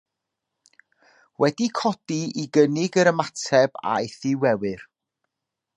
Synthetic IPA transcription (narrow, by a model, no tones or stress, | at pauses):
wɛdikʰɔd̥iiɡənɪɡəɾəmatʰɛb̥a̰eθɪwɛwɨr